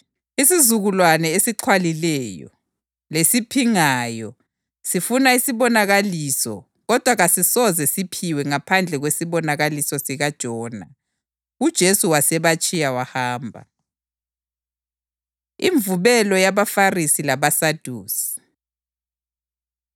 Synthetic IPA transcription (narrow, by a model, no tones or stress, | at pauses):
isizuɣulwanɛesiǃʰwalilɛjɔ̰ | lesipʰiŋaːjɔ | sifunaisiβɔnaɣalisɔ̰ | ɣɔd̥ʱwaɣasisɔzɛsipʰiwɛŋapʰand͡ɮʱɛɣwesiβɔnaɣalisɔsiɣad̥ʒ̥ʱɔːna̰ | ud̥ʒ̥ʱesuwasɛβat͡ʃʼijawahaːmbʱa̰ | ḭɱvuβɛlɔjaβafarisilaβasad̥ʱuːsi̥